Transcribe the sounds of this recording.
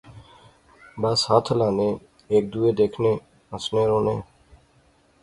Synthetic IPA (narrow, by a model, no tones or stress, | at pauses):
bəshət̪ʰlaːnẽː | eːk̚d̪uːeːd̪eːkʰnẽː | əsnẽːɾoːnẽː